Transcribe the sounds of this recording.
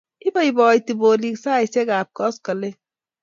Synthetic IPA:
i˦ba˦i˨bɔ˨i˨ti˨bo˨li˦ksaː˦˨i˨se˦ɡa˨b̚kɔ˦skɐ˨le˦

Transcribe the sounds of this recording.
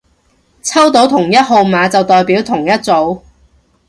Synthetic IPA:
t͡sʰɐ˥wt̪o˨˥wt̪ʰʊ˨˩ŋjɐ˥t̚ɦo˨˧wmaː˨˧t͡sɐ˨wt̪ɔː˨jpiː˨˥wt̪ʰʊ˨˩ŋjɐ˥t̚t͡so˨˧˥w

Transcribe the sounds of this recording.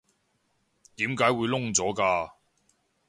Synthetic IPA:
t̪iː˨˥mkaː˨˥jwuː˨˧jlʊ˥ŋt͡sɔː˨˥kaː˧

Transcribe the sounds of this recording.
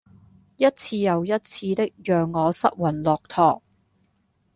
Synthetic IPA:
jɐ˥t̚t͡sʰiː˧jɐ˨wjɐ˥t̚t͡sʰiː˧t̪ɪ˥k̚jœː˨ŋːɔː˨˧sɐ˥t̚wɐ˨˩nlɔː˨k̚t̪ʰɔː˨˩k̚

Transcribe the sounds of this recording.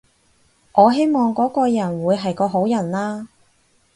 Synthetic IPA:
ŋʔɔː˨˧ɦe˥jmɔː˨˩ŋkɔː˨˥kɔː˧jɐ˨˩nwuː˨˧jɦɐ˨jkɔː˧ɦo˨˥wjɐ˨˩nlaː˥

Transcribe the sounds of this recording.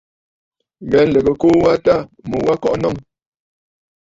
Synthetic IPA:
ɣɛ˨˦n̩˨lə˨ɡə˨ko˦wa˦ta˦˨mə˨wa˦kɔ˦ʔnɔ˦˨ŋ

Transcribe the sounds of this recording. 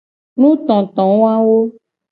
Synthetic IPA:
nũ˦t̪ɔ̃˨t̪ɔ̃˨˦wɔ˦a˦wo˦

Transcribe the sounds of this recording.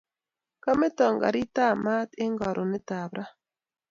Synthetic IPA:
ka˦me˦ta˨ŋɡa̰˨ɾi˦ta˦˨ma˦te˦ŋɡa˨ɾʔo˨ne˦ta˨βɾa˦

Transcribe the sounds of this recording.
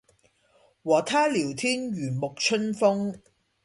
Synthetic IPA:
wɔː˨t̪ʰaː˥liː˨˩wt̪ʰiː˥nɥyː˨˩nmʊ˨k̚t͡ʃʰɵ˥nfʊ˥ŋ

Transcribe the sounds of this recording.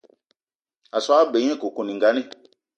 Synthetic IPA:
a˨swbẽ˨˦ɛ̃˦ko˨ko˨nĩ˨ŋɡa˦nĩ˦

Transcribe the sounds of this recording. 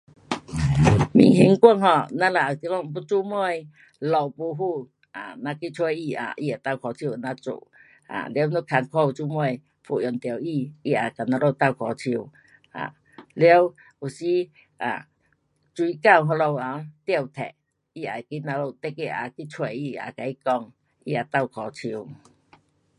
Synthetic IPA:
mḭ˨˩ŋɦi˧˦ŋkʷə˧˨ŋhɔ˧˨nã˦la˨a˨ki˧˦lɔ˧˨m˨˧p̬u˦t͡su˧˦mu˧˨j | lɔ˨wpu˧˦ɦu˧˨ | a˨nã˧ki˦t͡sʰwe˧˨i˧a̰˨ʔi˧˨a˨t̪a˧˨wkʰɔ˨˩t͡ɕʰi˧˨nã˧˦t͡sṵ˧˨ | a̰˨le˧˦wnu˦kʰa˧nkʰo˧˨u˧t͡su˧˦mu˧˨j | fṵ˧˨jɔ˨˩˨nt̪jə˨˩˨wi˧i˧˨a˨˩ka˨˩nã˧lo˧wt̪a˧˨wkʰɔ˨˩t͡ɕʰi˧w | ʔa̰˨ | le˧˦w | u˨˩si˦ | ʔa̰˨ | t͡swi˧˦ka˥˧˨wɦɔ˧lo˧wa˨t̪ji˧˨wt̪ʰɛ̰˨ʔ | i˧˨a̰˨jki˦nã˧lo˧wt̪e˦ke˧ʔa̰˧ki˦t͡sʰwe˧˨i˧˨a̰˨ka˨i˦kɔ˧ŋ | i˧˨a˨˩t̪a˧˨wkʰɔ˨˩t͡ɕʰi˧w

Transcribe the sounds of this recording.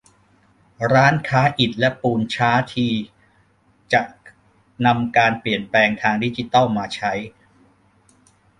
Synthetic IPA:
ɾaː˦˥nkʰaː˦˥ʔi˨˩t̪̚lɛ˦˥puː˧nt͡ɕʰaː˦˥t̪ʰiː˧ | t͡ɕa˨˩ʔ | na˧mkaː˧npli˨˩ənplɛː˧ŋt̪ʰaː˧ŋdi˦˥t͡ɕi˧˩t̪a˥˩wmaː˧t͡ɕʰa˦˥j

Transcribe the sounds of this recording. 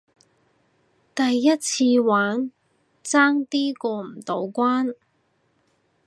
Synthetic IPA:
t̪ɐ˨jːɐ˥t̚t͡sʰiː˧waː˨˥n | t͡saː˥ŋt̪iː˥kɔː˧m̩˨˩t̪o˨˧˥wkʷaː˥n

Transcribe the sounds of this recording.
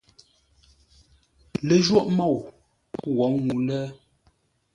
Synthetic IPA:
le˨ʒwɔ˦ʔmɔ˦˨w | wɔ˨˦ŋu˨˦lɛ˦

